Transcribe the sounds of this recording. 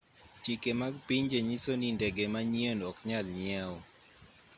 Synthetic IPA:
t͡ʃikemaɡpiɲd͡ʒeɲisonindɛɡemaɲienɔkɲalɲɪaɔ

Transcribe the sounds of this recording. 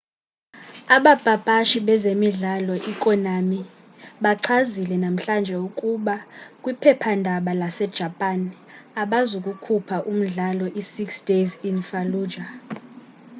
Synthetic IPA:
aɓab̥ʱab̥ʱaʃiɓɛzemiɮalɔʔikʼɔnami | ɓaǀʰazilɛnam̩ɬand͡ʒʱɛukʼuɓakʼwipʰɛpʰandʱaɓalasɛd̥ʒ̥ʱapʼan | aɓazukʼukʰupʰaʔum̩ɮalɔʔisiksd̥ʱezinfaluːd͡ʒa

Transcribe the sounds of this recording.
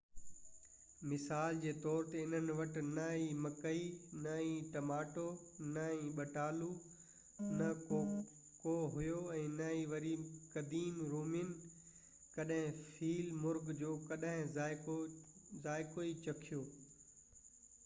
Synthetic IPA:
mɪsaːld͡ʑeːt̪ɔːɾt̪eɪn̤ənɪ̆ʋɐʈɪ̆nɐimɐkəinɐĩʈɐmaːʈo | nɐĩɓɐʈaːlu | nɐ | koːɦʊjoɛ̃ːnɐiʋɐɾiːkɐd̪iːnɾoːmɪn | kɐɗɦɪ̃fiːlmʊɾɡd͡ʑoːkɐɗɦɪ̃ɪ | zaːɪkoit͡ɕɐkʰijoː

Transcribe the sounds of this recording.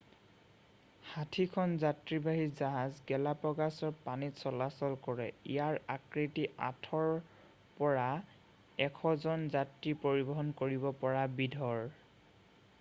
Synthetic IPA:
hatʰikʰɔnzatɹibaɦizaɦazɡɛlapɔɡasɔɹpanitsɔlasɔlkɔɹɛḭjaɹakɹitiʔa̰tʰɔɹ | pɔɹa | ɛkʰɔzɔnzatɹipoɹibɔɦɔnkoɹibɔpɔɹabidʱɔɹ

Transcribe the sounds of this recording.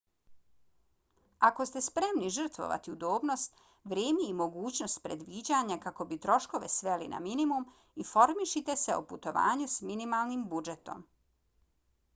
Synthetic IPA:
ako̞st̪e̞spɾe̞mniʒər̩t̪ʋo̞̰ʋa̰t̪iud̪o̞ːbno̞st̪ | ʋɾjeːmiimo̞ɡuːt͡ɕno̞st̪̚pɾe̞d̪ʋid͡ʑaɲakako̞bit̪ɾo̞ʃko̞ʋe̞̰sʋe̞lḭna̰minimum | ifo̞ɾmiʃit̪e̞se̞oput̪o̞ʋa̰ːɲusminimalˠnimbud͡ʒe̞t̪o̞̰m

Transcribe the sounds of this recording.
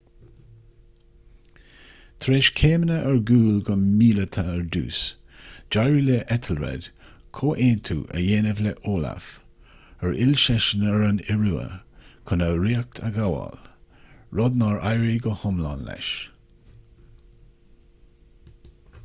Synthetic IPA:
t̪ʰɾeːʃkʰeːmənəʔəɹɡuːlɡənmiːlət̪ʰəəɹd̪ṵːs | d͡ʒaɹileʔɛt̪ʰəlɹɛ̰d̪̥ | kʰoːʔeːnt̪ʰṵːʔə̰jeːnəvlɛʔoːla̰f | əɹʔɪlʃɛʃənəɹənɪɹuːə̰kʰənəɾiːək̚t̪ʰəɡawa̰l | ɹɔd̪nɑɹajɹiɡəhʊmla̰nlɛ̰ʃ

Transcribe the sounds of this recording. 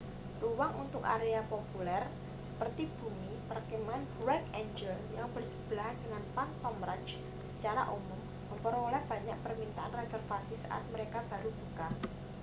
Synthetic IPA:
ruwaŋunt̪ʊka̰ɾeapopulɛr | sə̥pərt̪ib̥umipərkemanfwɛkeɲd͡ʒəljaŋbərsə̥b̥laɦdəŋanpant̪ɔmɾat͡ʃ | sət͡ʃaɾa̰ʔumɔm | məmpəɾolɛhb̥a̤ɲak̚pərmint̪aʔanresɛrfasisa̰ʔa̰t̪̚məɾekab̥aɾub̥uka

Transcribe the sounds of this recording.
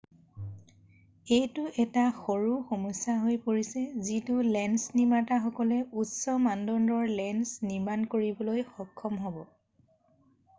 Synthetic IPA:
ejtʊʔɛtaxoɹuxomɔsːaɦojpoɹisɛzitʊlɛnsnimataxɔkɔlɛutsɔmandɔndɔɹlɛnsniɹmankoɹibɔlojxɔkʰːɔmɦɔbɔ

